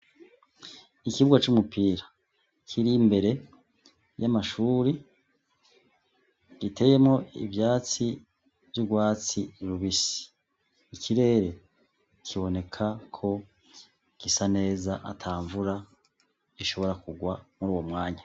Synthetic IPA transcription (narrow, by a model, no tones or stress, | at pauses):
ikiβuɡwat͡ʃumupiːɾa | kʰiɾimbe̞ɾe̞ | jamaʃuːɾi | ɡite̞ːje̞mŋo̞ḭvjaːt͡si | vjuɡwaːt͡siɾuβisi̥ː | kʰiɾe̞ɾe̞ | kʰiβo̞ne̞kʰakʰo̞ | kisane̞ːzaʔa̰tʰaːɱvuɾa | iʃo̞βo̞ɾakuɡwamuɾuːwo̞mŋaːɲa